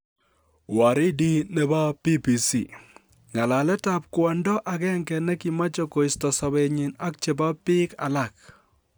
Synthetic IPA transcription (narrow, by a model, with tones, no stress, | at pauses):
wa˨ɾɪ˦di˦ne˦ba˦pi˦pi˨si˨ | ŋa˨la˨lɛ˦ta˨p̚kwɔ˨ndɔ˦ʔa˨kɛ˦ŋkɛ˨nɛ˦ki˨ma˦t͡ʃo˦ko˨ɪ˨stɔ˨sɔ˨be˨ɲɪ˨na˦k̚t͡ʃe˨ba˦pɪ˦ka̰˨la˦˨k̚